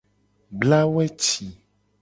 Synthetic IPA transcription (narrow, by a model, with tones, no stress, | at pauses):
bla˦wɛ˦t͡ʃi˨